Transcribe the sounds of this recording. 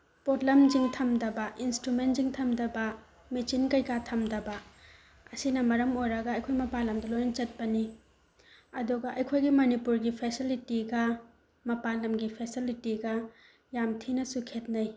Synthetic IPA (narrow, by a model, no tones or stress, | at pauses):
potlɐmd͡ʒiŋtʰɐmdɐbɐʔinstɾument̚ziŋtʰɐmdɐbɐ | mit͡ʃinkɐjkatʰɐmdɐbɐ | ɐsinɐmɐɾɐmojɾɐɡɐɐjkʰojmɐpalɐmdɐlojnɐt͡ʃɐt̚pɐni | ɐduɡɐʔɐjkʰojɡimɐnipuɾɡipʰesilitiɡɐ | mɐpalɐmɡipʰesilitiɡɐ | jamtʰinɐsukʰet̚nɐj